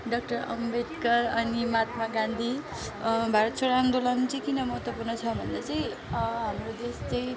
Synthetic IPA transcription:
ɖʌk̚ʈʌɾʌ̰mbed̪kʌɾʌnimat̪maɡãnd̪ʱi | bʱaɾʌt̪sʰoɾamd̪olʌnt͡sʌj̃kinʌmʌɦʌt̪wʌpurnʌt͡sʰʌbʱʌnd̪ʌt͡saj̃ | ɦamrod̪est͡saj̃ĩ

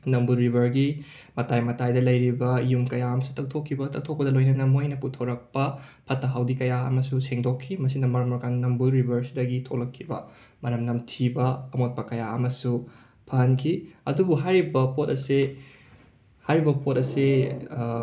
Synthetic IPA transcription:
nɐmbuɾibʱɐɾɡi | mɐtajmɐtajdɐlɐjɾibɐjumkɐjaɐmɐsu̥tʰɐk̚tʰokʰːibɐtɐk̚tʰok̚pɐdɐlojnɐnɐmojnɐputʰoɾɐk̚pɐpʰɐtːɐɦawdikɐjaɐ̰mɐsuseŋdokʰːimɐsinɐmɐɾmoɾɡannɐmbuɾibʱɐɾsidɐɡitʰolɐkʰːibɐ̰mɐɾɐmnɐmtʰibɐɐmot̚pɐkɐjaɐmɐsu | pʰɐhɐnkʰiɐdubuɦajɾibɐpotɐse | hajɾibɐpotɐse

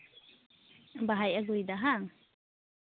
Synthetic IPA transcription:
baɦajaɡujd̪aɦaŋ

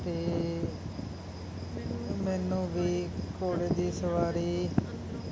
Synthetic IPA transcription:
t̪eː | mɛːnũːʋiːkoːleːd͡ʒiːsəʋaːɾiː

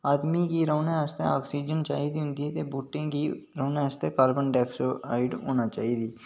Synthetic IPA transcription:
aːd̪mikiɾoːnẽəst̪ea̰ːksiːd͡ʒənt͡ʃa̰ːɦid̪iɦʊ̃nd̪it̪ebuːʈẽkiɾoːnẽəst̪ekaːlbənɖɛːksoa̰ːɪɖo̰ːnat͡ʃaːiːd̪iː

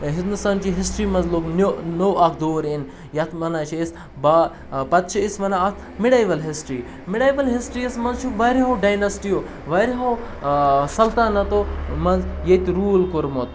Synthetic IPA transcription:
ɦĩnd̪ust̪aːnt͡ʃiːɦisʈɾiːmɐnzloːknonoːakʰd̪oːɾin | jɐt̪ʰmɐnaːt͡ʃʰies | baː | pɐt̪̚t͡ʃʰiisʋɐnaɐt̪ʰ | mɪɽaːjbɐlɦisʈɾiː | miɽaːbɐlɦisʈɾiːɐsmɐnzt͡ʃʰuʋɐɾiɦoːɖajnɐsʈijoː | ʋɐɾiɦow | sɐlt̪aːnɐt̪omɐnzjet̪ɾuːlkoɾmoːt̪̚

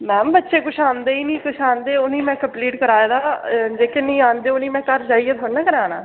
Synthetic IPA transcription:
mɛ̃ːbətːʃeːkʊʃʰaːnd̪eːiːnĩːkʊʃʰaːnd̪eːonĩːmɛ̃ːkəmpliːʈkəɾaːed̪aːd͡ʒeːkenəĩːaːnd̪eːoniːmɛ̃ːkəɾd͡ʒaːiːeːt̪ʰoːɽnãːkəɾaːnaː

